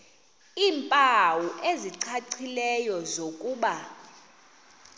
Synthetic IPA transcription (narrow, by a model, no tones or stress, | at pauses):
iːmpʼawuʔeziǀʰaǀʰilɛjɔzokʼuːɓa